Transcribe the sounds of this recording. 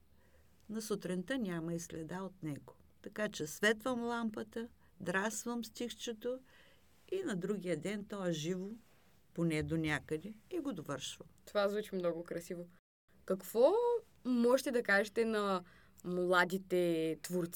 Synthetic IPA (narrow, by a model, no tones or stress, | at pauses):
nɐsot̪ɾɛnt̪ənʲamɐislʲɛd̪aot̪nɛɡo̥ | t̪ɐkat͡ʃɛsvɛt̪vəmlˠampət̪ə | d̪ɾasvəmst̪ʲixt͡ʃɛt̪o | inɐd̪ɾuɡʲijəd̪ɛnt̪ɔɛʒivo | ponɛd̪onʲakəd̪ɛiɡod̪ovəɾʃvət̪ovazvut͡ʃimnɔɡokɾɐsivo | kɐkv̥ɔ | mɔʒɛt̪ɛd̪ɐkaʒɛt̪ɛnɐ | mlˠad̪it̪ɛt̪voɾt̪s